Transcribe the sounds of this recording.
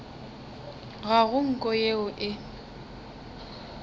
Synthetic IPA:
ɣaɣʊŋ̩kʼɔjeʊʔɪ

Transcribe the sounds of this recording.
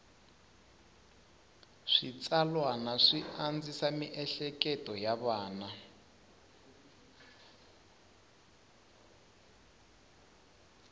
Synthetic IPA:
ʂit͡salwanaʂiand͡zisamiʔɛɬɛkɛtɔjaβaːna

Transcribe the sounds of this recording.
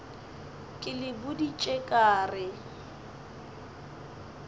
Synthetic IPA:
kʼɪlɪbʊdit͡ʃʼɛkʼaːrɪ

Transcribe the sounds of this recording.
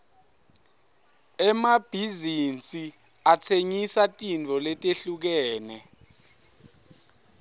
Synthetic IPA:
ɛmab̥ʱizint͡sʼi | at͡sʰeŋisatʼint͡fɔlɛtʼeɬuk̬ɛːnɛ

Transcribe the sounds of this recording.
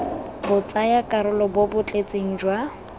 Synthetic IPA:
bʊt͡sʼajakʼaɾʊlɔbobʊt͡ɬʼet͡sʼeŋ̩d͡ʒwa

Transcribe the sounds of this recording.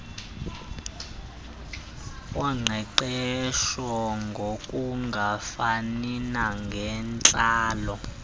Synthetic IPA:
waŋ͡ǀʱɛǃɛʃwaŋɡʱokʼuŋɡʱafaninaŋɡʱɛnt͡ɬʼaːlɔ

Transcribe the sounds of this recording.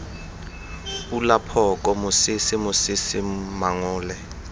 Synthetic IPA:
ulapʰɔk̬ʼɔmʊsɪsimʊsisimaŋʊːlɛ

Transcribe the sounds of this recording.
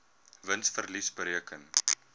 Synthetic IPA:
vənsfərlisbəɾiəkən

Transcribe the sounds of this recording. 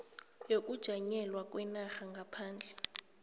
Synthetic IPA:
jok̬ʼud̥ʒ̥ʱaɲɛlwak̬ʼwɛnaxaŋɡʱapʰaːnd͡ɮʱɛ

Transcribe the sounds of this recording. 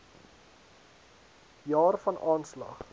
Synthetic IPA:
jɑːrfɐnʔɑːnslɐ̰χ

